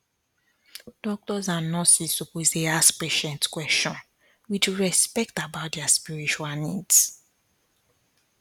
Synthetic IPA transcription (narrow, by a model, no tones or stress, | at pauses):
d̥ɔk̚tɔzãnːɔsisupozdeaspeʃɛ̃ntkwɛst͡ʃɔ̃n | wit͡ʃɹɛspɛk̚tabaʊt̚dɛaspiɹit͡ʃualnids